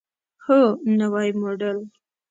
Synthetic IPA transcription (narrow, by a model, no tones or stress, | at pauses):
honawɑjmoɖəl